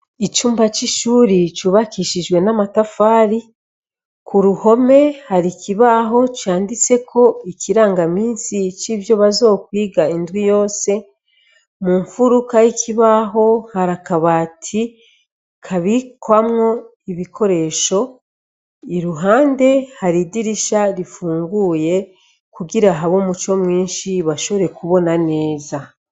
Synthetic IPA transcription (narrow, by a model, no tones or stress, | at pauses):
it͡ʃuːmbat͡ʃiʃuːɾit͡ʃuβakiʃiʒɡwe̞namatafaːɾi | kuɾuho̞me̞haɾikiβaɦo̞t͡ʃaːndit͡se̞kʰo̞ikiɾaːŋɡamiːnsit͡ʃiβjo̞βazo̞ːkwiːɡaindwijo̞ːse̞ | muːɱfuɾukajikʰiβaɦo̞haɾakaβatʰi | kʰaβikwamŋo̞ | iβikʰo̞ɾe̞ʃo̞ | iɾuɦaːnde̞haɾidiɾiʃaɾifuːŋɡuːje̞ | kuɡiɾaɦaβomut͡ʃo̞mŋiːnʃiβaʃo̞βo̞ɾe̞kuβo̞nane̞ːza